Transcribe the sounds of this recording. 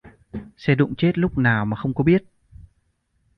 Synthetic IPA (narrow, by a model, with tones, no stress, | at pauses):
sɛ˧ɗʊ̰˧˨ŋ͡mt͡ɕe˦˥t̚lʊ˦˥k͡p̚naː˨˩wmaː˨˩xə˧wŋ͡mkɔ˨˦ɓi˦˥ət̚